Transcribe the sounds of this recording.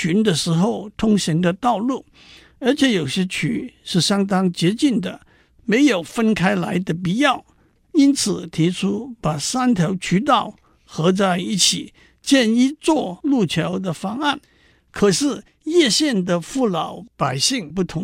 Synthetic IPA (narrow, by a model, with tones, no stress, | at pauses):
y˧˥nd̪ə˨ʂɻ̩˧˥xo˥˧ʊt̪ʰʊ˥ŋɕi˧˥nd̪ə˧t̪ɑ˥˧ʊlu˥˩ | ə˞˧˥t͡ɕʰjɛ˧˥jo˨˩ʊɕjɛ˥t͡ɕʰy˧˥ʂɻ̩˥˩ɕjɑ˥ŋt̪ɑ˥ŋt͡ɕjɛ˧˥t͡ɕi˥˩nd̪ə̰˩ | me˧˥ɪjo˨˩ʊfə˥nkʰa˥ɪla˧˥ɪd̪ə˧p̬i˧˥jɑ˥˩ʊ | i˥nt͡sʰɹ̩˨˩t̪ʰi˧˥ʈ͡ʂʰu˥pa˨˩sa˥nt̪ʰjo˧˥ʊt͡ɕʰy˧˥t̪̬ɑ˥˩ʊ | xɤ˧˥t͡sa˥˩ɪi˥˩t͡ɕʰi˨˩ | t͡ɕjɛ˥˧ni˥˧t͡swɔ˥˧lu˥˩t͡ɕʰjɑ˧˥ʊd̪ə˨fɑ˥ŋa˥˩n | kʰɤ˨˩ʂɻ̩˥˩ | jɛ˥˧ɕjɛ˥˩nd̪ə˨fu˥˩lɑ˨˩ʊpa˨˩ɪɕi˥˧ŋpu˥˩t̪ʰʊ˧˥ŋ